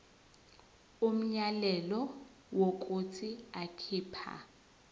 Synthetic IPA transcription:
um̩ɲalɛlɔ | wokʼut͡sʰiakʰiːpʰa̰

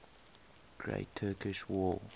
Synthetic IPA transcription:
ɡ̥ɹḛɪtʰːɜːˑkɪʃwɔː

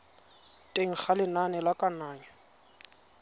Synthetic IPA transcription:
tʼeŋ̩k͡xʰalɪnanɛlakʼanaːɲɛ

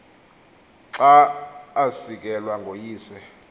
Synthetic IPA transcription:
ǀaː | sik̬ɛlwaŋʱojiːsɛ

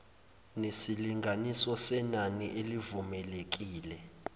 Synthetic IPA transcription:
nesiliŋʱanisɔsɛnaniʔelivumɛlek̬ʼiːlɛ

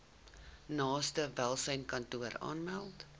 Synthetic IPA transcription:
nɑːstəvælˠsəjnkɐntuəɾɑ̰ːnmælˠt

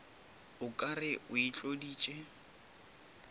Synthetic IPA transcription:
ʊkʼarɪʔʊit͡ɬʼodiːt͡ʃʼe

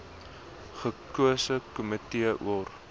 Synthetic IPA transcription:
χəkuəsəkumətiəʔṵər

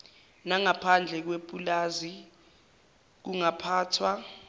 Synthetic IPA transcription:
naŋapʰand͡ɮʱɛk̬wepʼulaːzi | k̬uŋapʰaːtʰwa

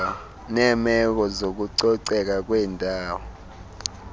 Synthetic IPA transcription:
nɛːmɛk̬ɔzok̬uǀɔǀɛk̬ak̬wɛːndʱaːwɔ

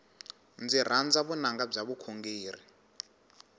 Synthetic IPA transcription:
nd͡zir̤and͡zaβunaŋɡab͡ʐaβukʰoŋɡeːri

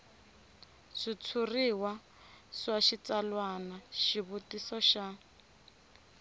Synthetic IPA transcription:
ʂit͡sʰuriwa | ʂwaʃit͡salwanaʃiβutisɔʃa

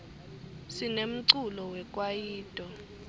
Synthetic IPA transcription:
sinem̩ǀulɔwɛkʼwajiːtʼɔ

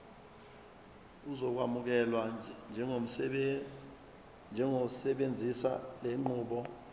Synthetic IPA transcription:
uzɔk̬wamuk̬ɛlwand͡ʒʱɛ | nd͡ʒʱɛŋosɛɓend͡zʱisa̰leŋ͡ǃuːɓɔ

